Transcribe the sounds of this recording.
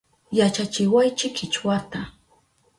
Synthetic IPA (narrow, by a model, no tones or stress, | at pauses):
jat͡ʃat͡ʃɪwajt͡ʃɪkɪt͡ʃwat̪a